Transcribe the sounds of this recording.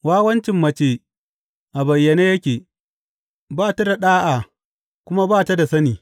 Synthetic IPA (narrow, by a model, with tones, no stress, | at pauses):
waː˦wɐ˦nt͡ʃɪ˨mːɐ˦t͡ʃeː˦ | ʔa˨bɐ˨jːɐ˨neː˦jɐ˦kʲeː˨ | baː˦ta˦da˨ɗaː˦ʔaː˨ | kʷʊ˦ma˦baː˦˨ta˦da˨sɐ˦niː˨